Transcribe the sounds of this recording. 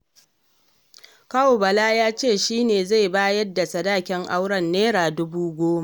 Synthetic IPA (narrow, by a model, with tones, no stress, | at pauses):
ka˦o˨bɐ˨laː˦jaː˦t͡ʃeː˦˨ʃiː˦neː˨za˦˨jbaː˦jɐ˦dːa˨sɐ˨daː˦˨kʲɛ˦ŋʔa˦wɽɐ˦˨nːeː˦ɾaː˨dʊ˦buː˦ɡʷoː˦ma˦˨ʔ